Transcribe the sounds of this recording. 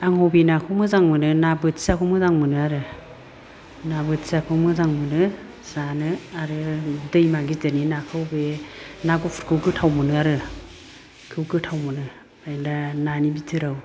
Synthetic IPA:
aŋhɔwbenakʰɯwmɯzaŋmɯnɯnabɯtsakʰɯwmɯzaŋmɯnɯaɾɯ | nabɯtsakʰɯwmɯzaŋmɯnɯ | sanɯaɾɯdɯjmaɡitɯninakʰɯwbenaɡupʰu̥ɾkʰɯwɡɯtʰawmɯnɯaɾɯ | kʰɯwɡɯtʰawmɯnɯ | ajlananibitʰɯɾaw

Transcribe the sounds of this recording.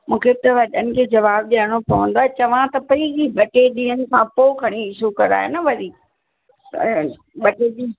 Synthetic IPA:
mũːkʰebt̪ɐʋɐɗənɪ̆kʰeːd͡ʑɐʋaːb̚ɗaɽ̃opɐʋə̃nd̪oaːet͡ɕɐʋ̤ãt̪ɐpɐiɡiɓɐʈeɗĩɦənɪ̆sãpoːkʰɐɽ̃iɪʃukɐɾa̰ːɦḛnɐʋɐɾiː | ɓɐʈeɗi

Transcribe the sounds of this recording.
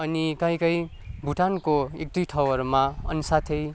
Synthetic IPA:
ʌnikʌ̃j̃kʌj | bʱuʈʰankoek̚d̪ujʈʰʌwʌrmaʌ̰nsat̪ʰej

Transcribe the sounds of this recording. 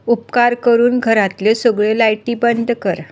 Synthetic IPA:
upkaɾkəɾuːnɡʱəɾat̪lesəɡɭelajʈiːbənd̪ʱkəɾ

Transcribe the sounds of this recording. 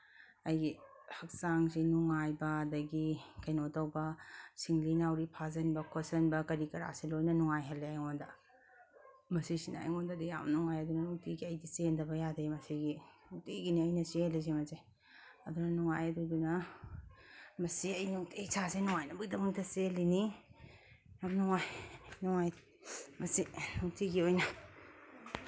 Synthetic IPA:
ɐjɡi | hɐk̚saŋsinuŋajbɐdɐɡikɐjnotɐwbɐsiŋlinawɾipʰazɐnbɐkʰosɐnbɐkɐɾikɐɾa̰silojnɐnuŋajɦɐlːeajŋondɐ | mɐsisina̰ːjŋondɐdija̰mnuŋajɐdunɐnuŋtiɡiɐjdisendɐbɐjadɐimɐsiɡinuŋteɡiniɐjnɐselis̬emɐze | ɐdunɐnuŋajɐdudunɐ | mɐsiɐjnuŋtʰesʰasenuŋajnɐbɐɡidɐmuŋtʰɐselini | jamnuŋajnuŋaj | mɐsinuŋtʰiɡiojnɐ

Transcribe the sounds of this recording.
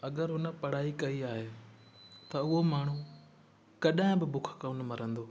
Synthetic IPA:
ɐɠəɾɦʊnəpɐɽ̤aːikɐiaːɦe | t̪ɐʊɦomaːɳ̤ũ | kɐɗãɪ̃bɪbʊkʰkɐʊnmɐɾə̃nd̪oː

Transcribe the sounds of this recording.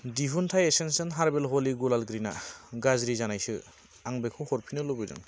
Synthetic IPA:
diɦuntʰajesensɯnɦaɾbelɦoliɡulalɡɾina̰ɡazɾizanajsɯ | aŋbekʰɔwhɔɾpʰinɯlobɯzɯ̰ŋ

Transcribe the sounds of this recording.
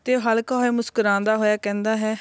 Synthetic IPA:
t̪eːɦəlkaɦoeːmʊskəɾãːnd̪aːɦoːjaːkɛ̃ːnd̪aːɦɛː

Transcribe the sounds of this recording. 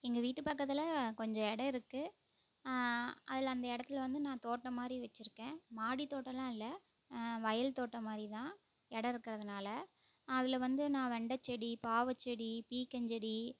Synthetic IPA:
ɪŋɡɐʋiːʈːɯpɐkːɐt̪ːɪlɐkɔɲd͡ʒɔ̃ɛɽɐɪɾɯkːɯ | ʔɐðɪlɐnd̪ɐɪɽɐt̪ːɪlʋɐnd̪ɯnãːt̪oːʈːɐmaːd̪ɾiʋɐt͡ʃːɪɾɯkːẽːmaːɽit̪oːʈːɐlãːɪlːɐ | ʋɐjɐlt̪oːʈːɐmaːd̪ɾit̪ãː | ɛɽɐɪɾɯkːɪɾɐðɯnaːlɐ | ɐðɪlʋɐnd̪ɯnãːʋɛɳɖɐt͡ʃːɛɽipaːʋɐt͡ʃːɛɽipiːkːɐɲd͡ʒɛɽi

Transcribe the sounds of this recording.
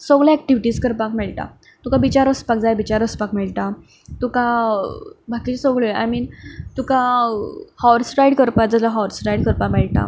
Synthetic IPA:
sɔɡɭjaɛk̚ʈiʋiʈiːskəɾpakmɛɭʈa̰ | t̪ukabit͡ɕaɾəspak̚d͡zajbit͡ɕaɾəspakmɛɭʈa | t̪ukã | bʱakit͡ɕesɔɡɭoa̰jmiːnt̪ukã | hɔɾsʈajɽkəɾpad͡zalaɦɔɾsʈajɽkəɾpamɛɭʈa̰

